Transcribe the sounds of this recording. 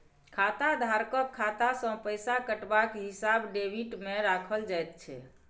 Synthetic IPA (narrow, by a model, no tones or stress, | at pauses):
kʰat̪ad̪ʱaɾkəkʰːat̪asə̃pəjsakəʈbakɦisabɖebiʈmeɾakʰəld͡ʒajt̪̚t͡ʃʰɛ̰